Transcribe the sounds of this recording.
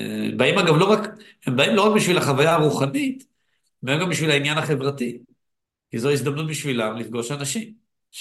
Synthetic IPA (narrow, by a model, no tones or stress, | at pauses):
baimaɡavlo̞ʁakhembaimlo̞ʁak̚biʃvilhaχavajaːʁuχanit̪ | memɡambiʃvilainjanaχe̞vʁati | kizoais̬d̪amnut̪̚biʃvilamlifɡo̞ʃanaʃim